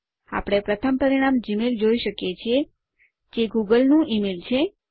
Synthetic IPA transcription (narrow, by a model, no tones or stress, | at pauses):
a̰pəɽ̃epɾət̪ʰəmpəɾiɽ̃amd͡ʒimeld͡ʒoiʃəkjet͡ʃʰie | d͡ʒeɡuɡəlnũʔimelt͡ʃʰe